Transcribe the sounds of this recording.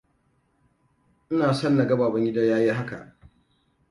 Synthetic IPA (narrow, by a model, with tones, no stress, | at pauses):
ʔɪ˦naː˨sɐ˦nːa˨ɡɐ˦baː˨bɐ˦ŋɡʲɪ˦da˦jaː˦ji˦ɦa˦ka̰˨ʔ